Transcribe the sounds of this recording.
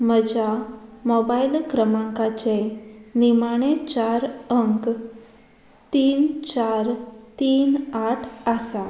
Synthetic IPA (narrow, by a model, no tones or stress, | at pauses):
məd͡ʑamɔbailkɾəmãŋkat͡ɕenimaɽ̃et͡ɕaɾəŋk | t̪iːnt͡ɕaɾt̪iːnaʈʰasa